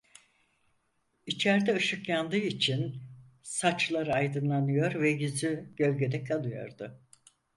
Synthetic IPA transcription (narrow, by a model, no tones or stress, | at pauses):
it͡ʃʰæɾd̪ɛɯʃɯkjand̪ɯit͡ʃʰin | sat͡ʃlˠaɾɯajd̪ɯnlˠanɯjo̞ɾvɛjyzyɟø̞lʲɟed̪ɛkʰalˠɯjo̞̰ɾd̪ʊ